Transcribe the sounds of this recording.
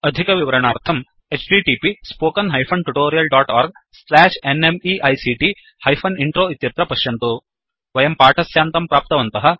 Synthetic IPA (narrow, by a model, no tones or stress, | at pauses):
ɐd̪ʱikɐʋiʋɐɾɐɳaːɾt̪ʰɐm | et͡ʃɖiʈiːpispoːkɐnɦɐjpʰɐnʈuʈoːɾijɐlɖaːʈaːɾɡ̚slæːʂenemiʔɐjsiʈi | hɐjpʰɐniɳʈɾoːit̪jɐɾt̪ɾɐpɐʃjɐnt̪u | ʋɐjɐmpaːʈʰɐsjaːnt̪ɐmpɾaːp̚t̪ɐʋɐnt̪ɐɦɐ̆